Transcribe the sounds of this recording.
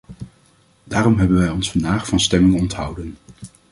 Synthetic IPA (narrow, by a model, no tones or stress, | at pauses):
daːrɔmɦɛbənʋɛjɔnsfɑndaːχfɑnstɛmɪŋɔntɦʌwdən